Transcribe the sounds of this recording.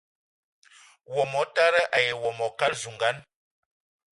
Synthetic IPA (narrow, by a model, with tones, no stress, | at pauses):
wɔ˨mɔ˨˦ta˦ɾə˦ʔa˨je˨wɔ˨mɔ˨ka˦lzu˨ŋɡa˨˦n